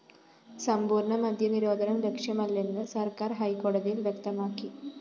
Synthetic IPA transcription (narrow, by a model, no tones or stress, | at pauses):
sɐmbuːɾɳɐmɐd̪ʱjɐniɾo̞ːd̪ʱɐnɐmlekʂjɐmɐlːe̞nːɨsɐrkaːrɦɐjkoːɽɐðijilʋjek̚t̪ɐmaːkːi